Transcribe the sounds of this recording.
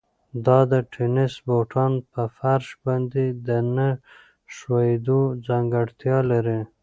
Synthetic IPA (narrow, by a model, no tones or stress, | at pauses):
d̪ɑd̪əʈʰenɪsboʈʰɑnpəfaɾʃbɑnd̪ed̪ənə | ʃwɑjed̪od͡zaŋɡaɽt̪jɑlaɾi